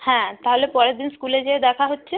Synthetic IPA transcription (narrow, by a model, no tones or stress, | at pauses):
hɛ̃t̪aɦolepɔɾed̪inskuled͡ʑed̪ɛkʰaɦotːɕʰe